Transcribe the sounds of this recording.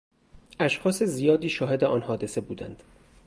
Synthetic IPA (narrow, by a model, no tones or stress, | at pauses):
ʔæʃxɒːsezijɒːd̪iːʃɒːɦe̞d̪eʔɒːnhɒːd̪e̞se̞buːd̪ænd̪̥